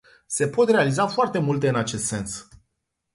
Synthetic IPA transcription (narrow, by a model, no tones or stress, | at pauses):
se̞po̞t̪re̞alizafoart̪e̞mult̪e̞ɨnat͡ʃe̞st̪se̞ns